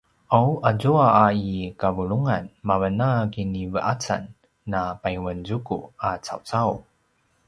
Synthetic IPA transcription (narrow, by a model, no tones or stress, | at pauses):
ʔawʔazuaːikavuɭuŋanmavənakinivəʔat͡sa̰nː | apajwənzukṵat͡sa̰wt͡saw